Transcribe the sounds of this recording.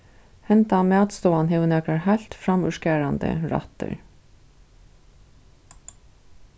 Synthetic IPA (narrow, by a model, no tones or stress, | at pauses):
hɛnt̪amæːt̪st̪oːanɦeʋənɛkɾaɹɦajlt̪fɾamʏʂkɛːɾand̪ə̰ɹa̰t̪ə̰ɹ